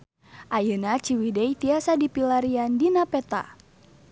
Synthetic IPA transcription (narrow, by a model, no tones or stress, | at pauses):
ʔajənat͡ʃiwidɛjt̪iasadipilaɾiandinapɛt̪a̰